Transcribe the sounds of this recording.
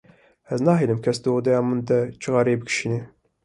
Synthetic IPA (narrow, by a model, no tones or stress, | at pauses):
ɛznɑːɦeːlɨmkʲʰɛsd̪ood̪ɛjɑːmund̪ɛt͡ʃʰɨɣɑːɾeːbɨkʰʃine